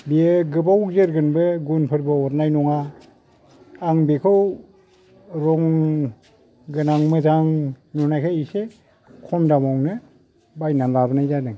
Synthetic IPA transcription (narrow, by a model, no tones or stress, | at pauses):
bieɡɯbawk̚zeɾɡɯnbɯɡunpʰɯɾbaɔt̚najnɔŋa | ŋbekʰɯw | ɾɔŋ | ɡɯnaŋmɯzaŋ | nunajkʰajise | kʰɔmdamawnɯ | bajnamlabɯnajzadɯŋ